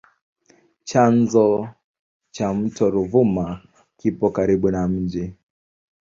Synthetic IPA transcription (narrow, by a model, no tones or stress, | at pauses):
t͡ʃanzɔ | t͡ʃam̩tɔɾuvuma | kipɔkaɾiɓunam̩d͡ʒi